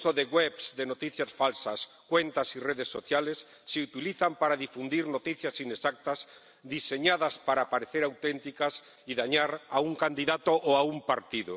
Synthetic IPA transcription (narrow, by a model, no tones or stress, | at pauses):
soðeɣweβsd̪enot̪iθjasfalsas | kwent̪asireðesːoθjalesːeut̪iliθampaɾaðifund̪iɾnot̪iθjasinesak̚t̪az | d̪iseɲaðaspaɾapaɾeθeɾawt̪ent̪ikas | iðaɲaɾauŋkand̪iðat̪oʔoaumpaɾt̪iðo